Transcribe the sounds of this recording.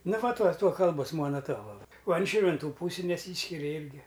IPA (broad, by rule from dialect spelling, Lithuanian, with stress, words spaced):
ˈnɐ ˈʋɐ ˈtuɔ ˈtuɔ ˈkɐlˠboːs ˈmuɔnɐ ˈtuɔʋɐ oː ɐn ˈʃʲiːrʲʋʲɪnˈtuː ˈpuːsʲɪ nʲɛˈsʲiːsʲkʲɪrʲɛ ˈɪrʲɡʲɪ